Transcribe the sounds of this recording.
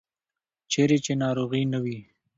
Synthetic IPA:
t͡ʃeɾet͡ʃenɑːɾoɣinawi

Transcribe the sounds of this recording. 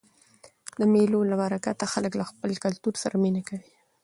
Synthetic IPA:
d̪̥əmelolamaɾakat̪axaləklaxpəlkalt̪uɾsaɾaminakawi

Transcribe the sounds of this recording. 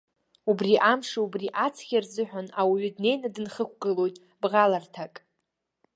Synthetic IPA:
ubriʔamʂaubriʔat͡sʰχʲarzɨħʷᶣanawiɥʏdne̞jnadɨnχəkʷʰɡɨlo̞jtʼ | bʁalartʰakʼ

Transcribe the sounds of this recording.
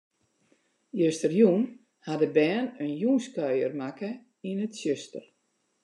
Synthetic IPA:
jøstərjun | hadəbɛːnənjuːnskœɥjərmakə | inətsjøstə̰r

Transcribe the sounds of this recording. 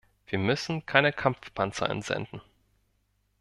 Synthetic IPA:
v̥iːɐmʏsn̩kʰaɪnəkʰamfpʰant͡sa̰ə̰nzɛ̰ndn̩

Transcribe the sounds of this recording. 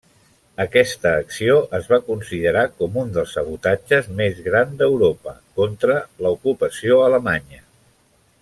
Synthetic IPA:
əkɛst̪əːksioʔəzβakunsiðəɾakɔmund̪əlˠsəβut̪ad͡ʒəzmezɣɾand̪əwɾopə̰kɔnt̪ɾələukupəsioələmaɲə

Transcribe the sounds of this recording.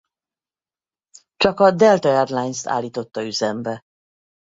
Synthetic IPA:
t͡ʃɒkɒd̪ɛlt̪ɒɛrlajnst̪a̰ːlːiːt̪o̞t̪ːɒyzɛmbɛ

